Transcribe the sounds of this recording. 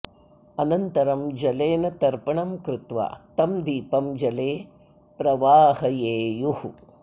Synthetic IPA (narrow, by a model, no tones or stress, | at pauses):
ɐnɐnt̪ɐɾɐmd͡ʒɐleːnɐt̪ɐɾpɐɳɐmkɾɪt̪ʋa̰ːt̪ɐmd̪iːpɐmd͡ʒɐleː | pɾɐʋaːhɐjeːjuhu